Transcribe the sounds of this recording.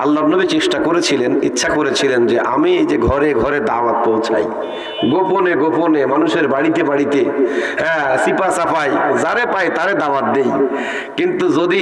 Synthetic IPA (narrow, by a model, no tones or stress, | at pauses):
alːabnobet͡ɕeʃʈakoɾet͡ɕʰilenḭtːʃʰakoɾet͡ɕʰilend͡ʑeʔa̰miejd͡ʑeɡʱɔɾeɡʱɔɾed̪aʋat̪̚powt͡ɕʰa̰j | ɡoponeɡoponemanuʃeɾbaɽit̪ebaɽit̪ehɛ̃sipasafʰajzaɾepajt̪aɾed̪aʋat̪̚d̪ej | kint̪ud͡ʑod̪i